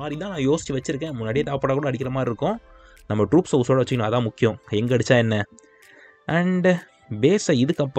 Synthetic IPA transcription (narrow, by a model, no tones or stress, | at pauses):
aːd̪ɾit̪ãːnãːjoːsɪ̥t͡ʃːiʋɐt͡ʃːɪɾɯk̬ːẽːmʊnːaːɽɪjɐt̪aːʋɐpːɐɽaːkuːɽɐɽɪkːɪɾɐmaːɾɪɾɯkːõ | nɐmːɐʈɾuːpsɐuːsoːɽɐʋɐt͡ʃːɯkːɐɳõɐðãːmʊkːɪjõɛŋɡɐɐɽt͡ʃːãːɛnːɐ | ʔɐɳɖ | beːsɐɪðɯkːɐpː